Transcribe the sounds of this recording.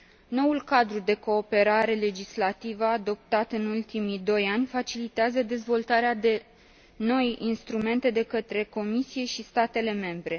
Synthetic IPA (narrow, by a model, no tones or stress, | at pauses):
no̞ulkad̪ɾud̪e̞ko̞ːpe̞ɾaɾe̞le̞d͡ʒislat̪ivəad̪o̞p̚t̪at̪ɨnult̪imid̪o̞janʲfat͡ʃilit̪eazəd̪e̞zvo̞lt̪aɾead̪e̞ | no̞jinst̪ɾume̞nt̪e̞d̪e̞kət̪ɾe̞ko̞misije̞ʃist̪at̪e̞le̞me̞mbɾe̞